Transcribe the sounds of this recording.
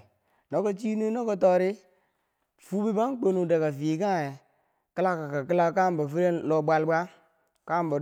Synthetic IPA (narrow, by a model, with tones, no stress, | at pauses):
no˦ka˦t͡ʃi˦nu˦no˦ka˦tɔ˦ɾi˦ | fu˦bi˦ba˦ŋ˦k͡po˦nu˨de˨ka˨vi˨ka˦˨e˨ | kə˦la˦ka˨ka˨ki˦la˦ka˦˨m˨ba˨fi˦ɾe˦lo˨ba˦lba˦ | ka˦˨m˨ba˨